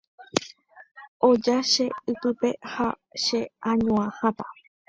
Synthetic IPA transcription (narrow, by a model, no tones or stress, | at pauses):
od͡ʒaʃe̞ɨt̪ɨpe̞ha | ʃe̞ãɲõãhãt̪a